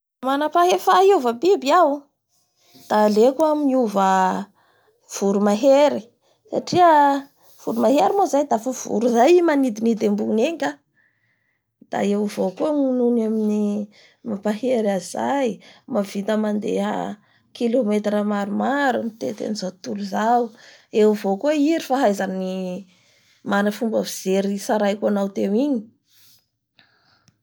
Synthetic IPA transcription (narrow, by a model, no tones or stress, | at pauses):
manapaɦefauvəbibiaw | d̪̥alekuamiuvə | v̥uɾumaɦeɾi | sa̰ʈ͡ʂiə | v̥uɾumaɦeɾimozajd̪afəv̥ṵɾuzajimanid̪inid̪embuneŋkʲa | d̪̥a̰ewivokuŋununamini | mapaɦeɾaz̥ajmavit̪əmand̪eɦə̰ | kilomet̪rəmaɾumaɾunit̪ḛt̪ḛnizawt̪uluzawewvokueiɾifaɦajzani | manəfumbaviz̥eɾisaɾajkuanawt̪ewiɲi̥